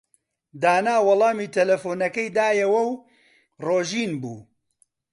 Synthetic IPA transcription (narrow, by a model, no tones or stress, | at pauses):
d̪aːnaːwɐlˠɑːmiːt̪ʰɐlɐfoːnɐkɐjd̪aːjɐwɐw | roːʒiːnbṵː